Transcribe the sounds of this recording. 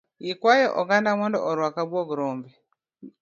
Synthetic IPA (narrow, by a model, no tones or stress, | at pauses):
jikwajɔʔɔɡandamwɔndɔ̰ʔɔɾwakabwɔɡɾɔmbɛ